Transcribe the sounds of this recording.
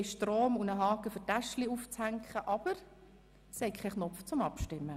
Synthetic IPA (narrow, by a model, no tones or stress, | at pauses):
ʃtɾoːmunəɦɑːkəfʏtæʃliuft͡shæŋkχəʔɑb̥əɾ | shɛɪkʰɛχnɔpft͡sʊmɑpʃtɪmːə